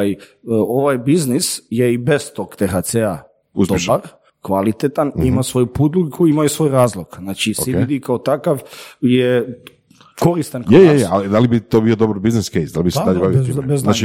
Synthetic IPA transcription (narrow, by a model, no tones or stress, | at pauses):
jo̞ʋajbiznisjeibez̥t̪okt̪exat̪sea | usd̪obaɾ | kʋalit̪et̪animasʋo̞jupud̪lukʰuimajusʋo̞jɾaːzlˠoɡ̥znat͡ʃisiid̪ikaot̪akaʋje | ko̞ɾist̪ankjejeealid̪alibit̪obiod̪obaɾbizniskejsd̪alibiseedaʎebaʋioibeznat͡ʃi